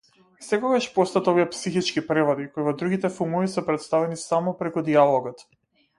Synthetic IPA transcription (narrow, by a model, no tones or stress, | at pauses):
sɛkɔɡaʃpɔst̪at̪ɔviɛpsixit͡ʃkipɾɛvɔd̪ikoivɔd̪ɾuɡit̪ɛfumuvisɛpɾɛt̪st̪avɛnisamɔpɾɛkud̪ialˠɔɡɔt̪